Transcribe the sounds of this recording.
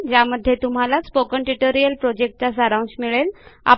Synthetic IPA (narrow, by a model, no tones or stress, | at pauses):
d͡ʑaməd̪ʱːjet̪um̤alaspokəɳʈiʈoɾijəlpɾod͡ʑek̚ʈ̚t͡ɕasəɾãw̃nsmiɭela̰